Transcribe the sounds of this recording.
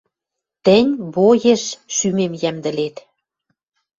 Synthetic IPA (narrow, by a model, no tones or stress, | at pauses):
t̪ə̆nʲβojeʃʃymemjæmd̪ə̆let̪